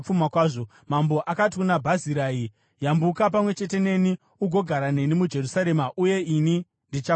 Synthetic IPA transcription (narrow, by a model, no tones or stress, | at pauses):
p͡fumakwaːʐo | mambo̞ʔakatikunabʱaziɾaːi | jambukap̬amwe̞t͡ʃe̞te̞ne̞ni | uɡʱo̞ɡʱaɾane̞nimud͡ʒe̞rusaɾe̞maʔuje̞ini | ndit͡ʃa